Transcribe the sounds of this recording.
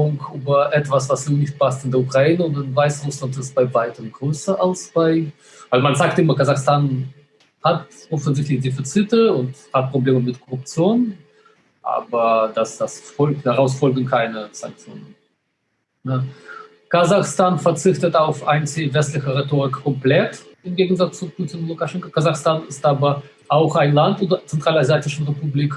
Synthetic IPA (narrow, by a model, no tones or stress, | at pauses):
ʊŋkʔyːbɐʔɛtv̥asv̥asnuːnɪçt̚pʰastɪndɛɐukʁ̥aiːnəʊntɪnvaɪsʁʊslantɪst̚b̥aɪvaɪtəmɡʁøːsɐʔalsb̥aɪ | vaɪlmanzaːk̚tʔɪmɐkazaxstaːn | hatʔɔfən̩zɪçtlɪçd̥efit͡sitəʊnthat̚pʁ̥obleːməmɪtkʰɔʁʊp̚t͡sjoːn | ʔa̰ːbɐdasd̥asfɔlaʁaʊsfɔlɡŋ̩kʰaɪnəz̥a̰ŋk̚t͡sjo̰ːnən | nə | kazaχstaːnfɛɐt͡sɪçtətaʊfaɪnt͡sevɛstlɪçəʁetoːʁɪkkɔmplɛtɪmɡeːɡn̩zat͡st͡supʰuːtɪnlukaʃɛŋkakʰazaxstaːnɪstʔaːbɐ | ʔaʊxaɪnlantodɐt͡sɛntʁ̥aːlazjaːtɪʃn̩ʁepubliːk